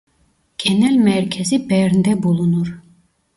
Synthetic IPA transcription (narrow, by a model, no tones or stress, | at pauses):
ɡ̥ɛnɛlʲmɛɾcʰɛzibɛɾnd̪ɛbulˠunuɾ